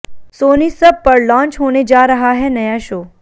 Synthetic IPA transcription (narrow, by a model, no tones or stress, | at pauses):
soːnisəb̚pəɾlɔ̃ːnt͡ʃɦoːned͡ʒaɾəɦaɦɛnəjãʃoː